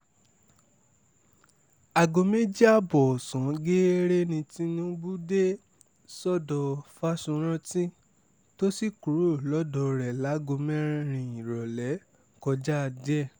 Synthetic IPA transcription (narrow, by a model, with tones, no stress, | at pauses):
a˨ɡo˧mẽ˦d͡ʒi˦a˦bɔ˨sɔ̃˨˦ɡe˦ɾe˦nĩ˧ti˦nũ˦bu˦de˦ | sɔ˦dɔ˧fa˦sũ˧ɾ̃ã˦tĩ˦ | to˦si˦˨ku˨ɾo˦˨lɔ˦dɔ˧ɾɛ˨la˨˦ɡo˧mɛ̃˦ɾ̃ĩ˧ɾ̃ĩ˨ĩ˨ɾɔ˨lɛ˨˦ | kɔ˧d͡ʒa˦˧dɛ˦˨